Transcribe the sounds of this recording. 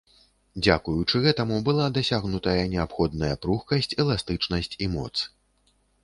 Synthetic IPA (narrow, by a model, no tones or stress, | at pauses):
d͡zʲa̰kujut͡ʂɨɣɛt̪ɐmubɨlˠad̪asʲaɣnut̪ɐjɐnʲɛapxɔd̪nɐjɐpɾuxkɐsʲt͡sʲɛlˠast̪ɨt͡ʂnɐsʲt͡sʲimɔ̰t̪s